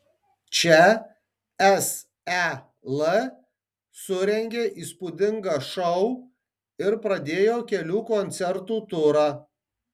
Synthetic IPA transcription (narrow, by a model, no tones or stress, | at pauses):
t͡ʃʲɛ | ɛs | æ | lˠə | sʊɾʲɛŋʲɡʲeːʔiːspud̪ʲɪŋɡɑːʃɔʊ | ɪɾpɾɐd̪ʲeːjoːkʲɛlʲuːkɔnʲt̪sʲɛɾt̪uːt̪ʊɾɑː